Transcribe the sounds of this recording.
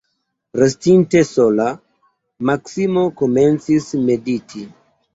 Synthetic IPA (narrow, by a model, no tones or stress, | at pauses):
ɾestinte̞so̞la | maksimo̞kome̞nt͡sisme̞ditʰi